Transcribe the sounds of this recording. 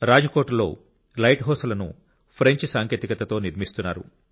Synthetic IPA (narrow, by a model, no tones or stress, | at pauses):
ɾaːd͡ʒɐkoːʈlo̞̰ː | lɐjʈɦoːsɐlɐnṵ | pʰɾeɲt͡ʃsaːŋkʰjeːt̪ikɐt̪ɐt̪o̞ːniɾmist̪unːa̰ːɾṵ